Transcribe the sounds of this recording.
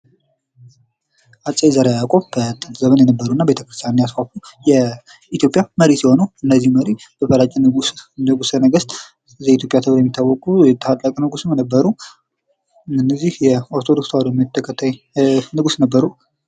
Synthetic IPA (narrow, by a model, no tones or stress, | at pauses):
ʔat͡ʃʼːezaɾeakʼombət̪ʼəzəmənjɛnəbːəɾuɨnːabe̞t̪ʰə̥kɾɨst̪ʰjanɨnjasfafujɛ | it̪ʰjopʼjaməɾisiho̞nuwʔɨnːəzːihməɾib̥əbəlat͡ʃʼːnəɡusənəɡəst̪ʼ | zit̪ʰjo̞pʼjat̪ʰɨβɾojɛmːit̪ʰːawːɔkʼujɛt̪ʰːəat̪ʼːəkʼənɨɡusɨmjnəbːəɾu | ɨnːəzːihjɛoɾt̪ʰod̪o̞kswalomt̪ʰːəkʰːət̪ʰːaj | nɨɡusnəbːəɾu